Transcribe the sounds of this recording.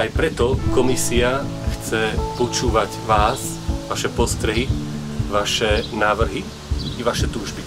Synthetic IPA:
ajpɾɛt̪ɔkɔmisia | xt͡sɛpɔt͡ʃuːʋaɟʋaːz | ʋaʃɛpɔst̪ɾɛɦi | ʋaʃɛnaːʋr̩ɦi | iʋaʃɛt̪uːʒbi

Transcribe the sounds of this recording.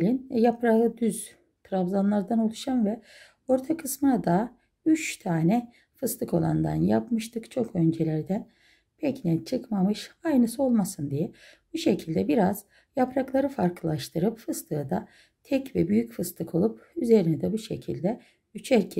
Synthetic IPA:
lʲinjapɾaɯd̪yz̥ | t̪ʰɾavzanlˠaɾd̪ano̞lˠuʃanvɛ | o̞ɾt̪ʰakʰɯsmɯnad̪a | yt͡ʃt̪ʰaːnɛ | fɯst̪ɯkʰo̞lˠa̰nd̪a̰njapmɯʃt̪ʰɯkt͡ʃʰo̞kʰø̞nd͡ʒelʲæɾd̪æn | pʰɛcnɛt͡ʃʰɯkmamɯʃajnɯsɯo̞lˠmasɯnd̪ijɛ | b̥uʃecʰilʲd̪ɛbiɾaz̥ | japɾaklˠaɾɯfaɾkʰɯlˠaʃt̪ʰɯɾɯpfɯst̪ʰɯd̪a | t̪ʰɛcvɛ̰byjycfɯst̪ʰɯkʰo̞lˠup̚yze̞ɾinɛd̪ɛbuʃecʰilʲd̪ɛ | yt͡ʃʰæɾcʰɛ

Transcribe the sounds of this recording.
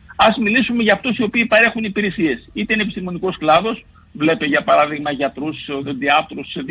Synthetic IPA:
ɐzmilisume̞ʝɐːft̪usio̞piːpɐɾe̞xunipiɾe̞sie̞sit̪eine̞pist̪imo̞niko̞sklɐðo̞s | vle̞peʝɐpɐɾɐðiɣmɐʝɐt̪ɾusðed̪iɐt̪ɾusð

